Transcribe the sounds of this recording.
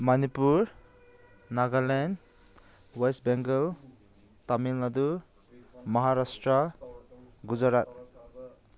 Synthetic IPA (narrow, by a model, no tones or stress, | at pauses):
manipuɾ | naɡalen | wajsbɛŋɡɔw | tamilnadu | mʌɦaɾastɾʌ | ɡud͡ʒaɾat̚